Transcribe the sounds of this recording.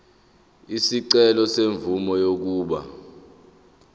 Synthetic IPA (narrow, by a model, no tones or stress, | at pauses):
isiǀɛlɔseɱvumɔjok̬uːɓa̰